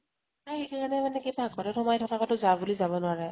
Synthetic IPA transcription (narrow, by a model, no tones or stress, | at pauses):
taekaɹanɛmanɛkibaɡɔɹtɛtɔmajtʰɔtakɔtʊzabulizaβɔnʊaɹɛ